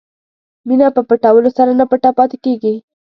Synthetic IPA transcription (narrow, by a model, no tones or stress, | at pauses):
minapəpəʈawəlosaɾanapəʈapɑt̪ɪ̥keɡi